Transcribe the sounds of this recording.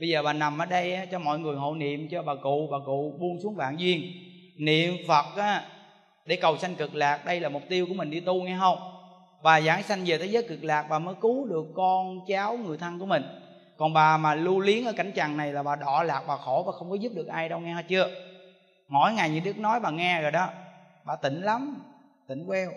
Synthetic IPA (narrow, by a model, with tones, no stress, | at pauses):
ɓə˧jzəː˨˩ɓaː˨˩na˨˩mʔəː˨˦ɗə˧jʔaː˨˦t͡ɕɔ˧mɔ̰˧˨jŋɨ˨˩əjɦo̰˧˨nḭ˧˨əmt͡ɕɔ˧ɓaː˨˩kṵ˧˨vaː˨˩kṵ˧˨ɓu˧nsu˨˦ŋɓa̰ː˧˨nzwi˧ən | nḭ˧˨əmfə˨˩t̚ʔaː˨˦ | ɗe˧˩˦kə˨˩wsa˧jŋ̟kɨ˨˩k̚laː˨˩k̚ɗə˧jlaː˨˩mʊ˨˩p̚t̪i˧əwku˧˩əmï˨˩ŋ̟ɗi˧t̪u˧ŋɛ˧ɦə˧wŋ͡m | ɓaː˨˩za̰ː˧˦ŋsa˧jŋ̟veː˨˩t̪ʰə˨˦zəː˨˦jkɨ˨˩k̚laː˨˩k̚ɓaː˨˩məː˨˦jku˨˦ɗɨ˨˩əkːɔ˧nt͡ɕaː˨˦wŋɨ˨˩əjt̪ʰə˧ŋku˧˩əmï˨˩ŋ̟ | kɔ˨˩nɓaː˨˩maː˨˩lu˧li˨˦ənʔəː˧˦ka˧˩jŋ̟t͡ɕa̰ː˨ŋna˨˩jlaː˨˩ɓaː˨˩ɗɔ˧˨laː˨˩k̚ɓaː˨˩xo˧˩˦vaː˨˩xə˧wŋ͡mkɔ˨˦zu˦˥p̚ɗɨ˨˩ək̚ʔaː˧jɗə˧wŋɛ˧haː˧t͡ɕɨ˧ə | ŋɔ˨˩˦jŋa˨˩jɲɨ̰˧˦ɗɨ˦˥k̚nɔ˨˦jɓaː˨˩ŋɛ˧zo˨˩jɗɔ˨˦ | ɓaː˨˩t̪ï˧˩˦ŋ̟la˨˦m | t̪ï˧˩ŋ̟kwɛ˧w